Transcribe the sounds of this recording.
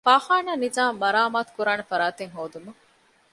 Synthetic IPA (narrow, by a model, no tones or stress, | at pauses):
faːχaːnaːnizaːmːɐɾaːmaːt̪u̥kuɾaːnefɐɾaːt̪eŋɦoːd̪umɐ